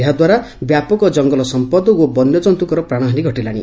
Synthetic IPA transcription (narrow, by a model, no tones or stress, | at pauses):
ɦad̪waɾabjapɔkɔd͡ʒɔŋɡɔlɔsɔmpɔd̪ɔobɔnjɔd͡ʒɔnt̪ukɔɾɔpɾaɽ̃ɔɦaniɡʱɔʈilaɽḭ